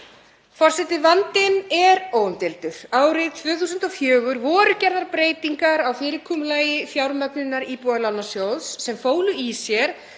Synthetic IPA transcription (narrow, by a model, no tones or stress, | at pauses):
fɔr̥sɛt̪ɪvant̪ɪnɛɾoːwʏmt̪ɪlt̪ʏɾ̥aːwɾɪðt̪ʰvʏːθusʏnt̪ɔfjœːɣʏɾvɔːɾʏcɛɾðaɾpɾeːjt̪iŋkaɾawfɪːɾɪkʰɔːmʏlaːjɪfjawɾmœknʏnːaɾipualawnːasjowðsːɛmfoːwlʏisjɛɾ̥